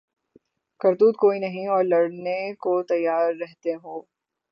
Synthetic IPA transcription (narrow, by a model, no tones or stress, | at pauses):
kɐɾd̪uːd̪̚koːinɐɦĩɔːɾlɐɽnekot̪ɐjːaːɾːɛɦt̪eɦoː